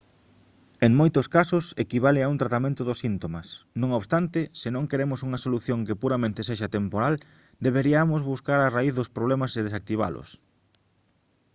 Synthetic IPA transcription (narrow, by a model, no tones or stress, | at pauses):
eŋmojt̪ʊskasʊsekiβ̞alɪaunt̪ɾat̪amẽnt̪ʊðʊsint̪omɐsnõŋoβst̪ant̪ɪsɪnõŋkeɾemʊsuŋɐsoluθjõŋkepuɾamẽnt̪eseʃat̪empoɾal | d̪eβeɾiamʊzβuskaɾaraiθðʊspɾoβlemɐseðesak̚t̪iβ̞a̰lʊ̰s